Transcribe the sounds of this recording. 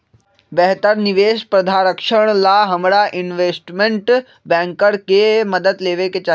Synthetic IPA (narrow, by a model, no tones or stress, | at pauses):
bɛɦt̪əɾniʋeːʃpɾɐd̪ʱaɾəkʂəɳ̃laɦɐmɽaʔinʋeːsʈmeɳʈ | bɛ̃ŋkəɾkeməd̪əd̪leːʋeket͡ɕa